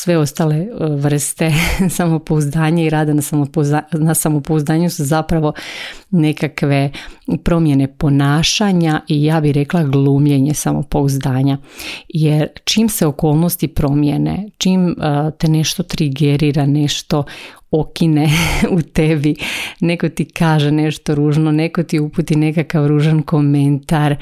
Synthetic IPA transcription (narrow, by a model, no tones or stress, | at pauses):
sʋe̞o̞st̪aːle̞ʋr̩st̪e̞samo̞pouzd̪aːɲaiɾaːd̪anasamooanasamopouzd̪aːɲusuzapɾaʋo̞ne̞kakʋe̞pɾo̞mje̞ne̞po̞naːʃaɲaʔijaːbihɾe̞klˠaɡlˠuːmʎeɲesamo̰pouzd̪aːɲajeɾt͡ʃiːmseoko̞ːlˠnost̪ipɾo̞mjenḛt͡ʃiːmt̪ene̞ʃt̪o̞t̪ɾiɡeɾiɾaneʃt̪o̞okineut̪ebineko̞t̪ikaːʒeneʃt̪oɾuːʒnoneko̞t̪iupuːt̪ine̞kakaʋɾuːʒanko̞ment̪aɾ